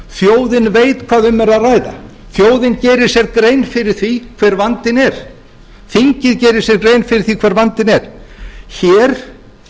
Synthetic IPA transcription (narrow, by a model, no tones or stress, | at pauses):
θjoːwðɪnvejt̪kʰv̥aːðʏmːɛɾaðrajða̰ | θjoːwðɪncɛːɾɪɾ̥sjɛɾkɾeːjnfɪɾɪɾ̥θikʰv̥ɛːɾvant̪ɪnɛɾ̥ | θiɲcɪðcɛːɾɪ̥sjɛɾkɾeːjnfɪɾɪɾ̥θikʰv̥ɛːɾvant̪ɪnɛɾ̥çɛːɾ̥